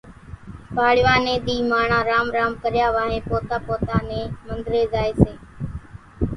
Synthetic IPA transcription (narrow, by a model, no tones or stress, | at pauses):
paːɽɪʋaːnẽːɗ̪iːmaːɳãːɾaːmɾaːmkəɾjaːʋaːɦẽːpoːt̪aːpoːt̪aːnẽːmənd̪ɾeːzaːeːseː